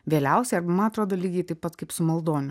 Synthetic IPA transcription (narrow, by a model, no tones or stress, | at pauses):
ʋʲeːlʲɛʊsʲɛɪɐɾbɐmɐnɐt̪ɾoːd̪oːlʲiːɡʲɛɪt̪ɐɪpɐt̪kɐɪpsʊmɐlˠd̪oːnʲʊ